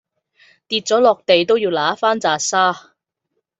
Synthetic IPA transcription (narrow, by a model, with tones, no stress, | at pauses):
t̪iː˧t̚t͡sɔː˨˥lɔː˨k̚t̪e˨jt̪o˥wjiː˧wlaː˨˥faː˥nt͡saː˨saː˥